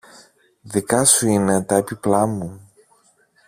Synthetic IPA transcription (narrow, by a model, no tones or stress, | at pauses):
ðikɐsuinet̪ɐepiplɐmu